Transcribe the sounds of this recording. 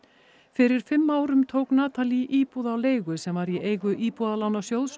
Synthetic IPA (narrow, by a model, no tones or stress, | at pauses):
fɪɾɪɾ̥fɪmːaːwɾʏmt̪ʰoːwknaːt̪ʰaliʔiːpuðawleːjɣʏsɛmvaɾieːjɣʏʔiːpuðalawnasjowls